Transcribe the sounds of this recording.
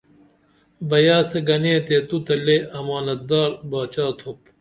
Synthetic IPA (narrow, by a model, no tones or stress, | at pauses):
bɐjaːseɡɐneːt̪et̪ut̪ɐlːeʔɐmaːnɐt̪̚d̪aːɾbaːt͡ɕaːt̪ʰop̚